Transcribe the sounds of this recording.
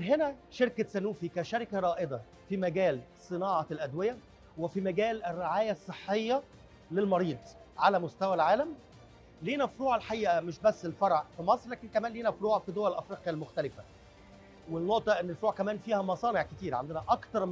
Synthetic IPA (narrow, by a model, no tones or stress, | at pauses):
nɦenæʃeɾkæsænuːfikæʃæɾɪkæɾˤɑːʔed̪ˤɑ | fimæɡæːl | sˤɨnɑːʕɑlʔæd̪wejæ | wefimæɡæːlærːeʕaːjæsˤːeħːejːɑ | lelmɑɾiːd̪ˤ | ʕalæmost̪æwælʕaːlæm | liːnæfɾuːʕelħaʔiːʔæmeʃbæsːelfɑɾˤʕfimɑsˤɾlæːkenkæmæːnliːnæfɾuːʕfid̪owælʔæfɾiːqjælmoxt̪ælɪfæ | welnoʔt̪ˤɑʔenːelfoɾuːʕkæmæːnfiːhæmɑsˤɑːneʕket̪iːɾʕand̪enæʔɑkt̪ɑɾˤ